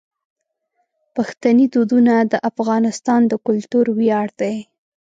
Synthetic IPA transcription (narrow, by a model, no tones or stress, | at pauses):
paxt̪anid̪od̪unad̪əʔafɣɑnɪst̪ɑnd̪əkʊlt̪uɾwjɑɽd̪̥aj